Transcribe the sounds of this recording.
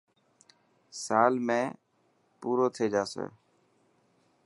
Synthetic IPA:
saːlmẽː | puːɾoːt̪ʰeːd͡ʒaːsḛː

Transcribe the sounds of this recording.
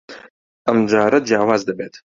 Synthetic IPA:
ʔɐmd͡ʒaːɾɐd͡ʒjaːwaːzd̪ɐbeːt̪

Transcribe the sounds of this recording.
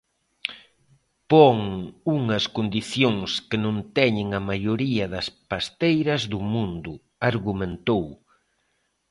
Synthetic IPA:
poŋuŋɐskond̪iθjoŋskɪnõnt̪ɛɲɪŋɐmajoɾiɐðɐspast̪ejɾɐzðʊmũnd̪ʊ | aɾɣumẽnt̪ow

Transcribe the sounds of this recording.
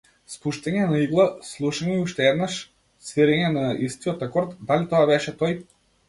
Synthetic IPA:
spuʃt̪ɛɲɛnaiɡlˠaslˠuʃaɲɛuʃt̪ɛɛd̪naʃ | sviɾɛɲɛnaist̪iɔt̪ɾakɔɾt̪d̪alit̪ɔabɛʃɛt̪ɔj

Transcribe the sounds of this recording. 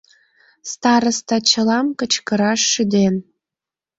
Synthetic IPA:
st̪ɑɾə̆st̪ɑt͡ɕə̆lɑmkə̆t͡ɕkə̆ɾɑʃːyd̪en

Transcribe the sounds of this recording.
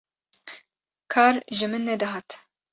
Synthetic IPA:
kʰɑːɾʒɨmɨnːɛd̪ɨɦɑːt̪

